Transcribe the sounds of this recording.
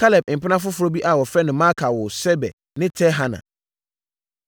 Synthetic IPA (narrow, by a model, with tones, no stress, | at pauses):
kʰa˦lɛ˨b̚m̩˨pɪ˦nã˦fʊ˦fʊ˦ɾo˦bi˦ʔa˨wɔ˨fɛ˦nʊ̃˨mã˦kʰa˨wʊ˨sɛ˦bɛ̰˨ | nɪ̃˦tʰɛ˦ɦa˦nã̰˨